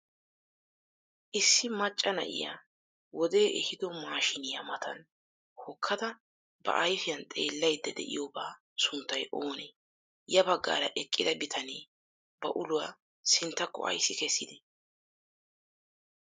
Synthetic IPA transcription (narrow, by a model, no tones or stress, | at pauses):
ʔɪsːɪmɐt͡ʃʼːɐnɐ̰ʔɪ̰ja̰ː | wɔd̪e̞ːʔɛhɪd̪ɔmaːʃɪnɪjɐmɐt̪ʰɐn | hɔkʰːɐd̪ɐ | bɐ̰ʔɐjfɪjɐnt̪ʼe̞ːlːɐjd̪ːɛd̪ɛ̰ʔɪ̰joːbaː | sʊnt̪ːɐjʔoːne | jɐbɐɡːa̰ːɾɐʔɛkʼːɪd̪ɐbɪt̪ʰɐneː | bɐʔʊlʊwaː | sɪnt̪ːɐkːɔ̰ɐ̰jsːɪkɛsːɪd̪ɛ